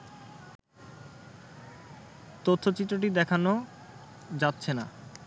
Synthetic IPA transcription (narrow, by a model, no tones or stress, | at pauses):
t̪ot̪ʰːot͡ɕit̪ːɾoʈ̬id̪ɛkʰano | d͡ʑatːɕʰena